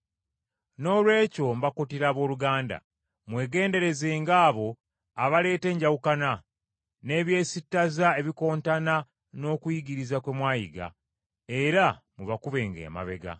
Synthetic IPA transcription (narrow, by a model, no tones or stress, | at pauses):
no̞ːlwe̞ːco̞mbakotiɾaβo̞ːluɡaːnda̰ | mwe̞ːɡe̞ːnde̞ɾe̞zeːŋɡaːβo̞ | aβale̞ːte̞ːɲɟawukana | ne̞ːβje̞ːsitːazae̞βiko̞ːntana | no̞ːkujiɡiɾizakwe̞mwaːjiɡa̰ | e̞ɾamuβakuβe̞ːŋɡḛma̰βe̞̰ɡa̰